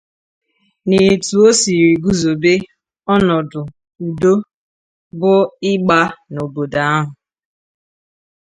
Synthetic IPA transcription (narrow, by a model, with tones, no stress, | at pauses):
ne˨tu˨o˦si˨ɾi˨ɡu˦zo˨be˦ | ɔ˦nɔ˨dʊ˨ | u˨do˦ | bʊ˦ɪ˦ɡ͡ba˦no˨bo˨da˨a˦ɦʊ˨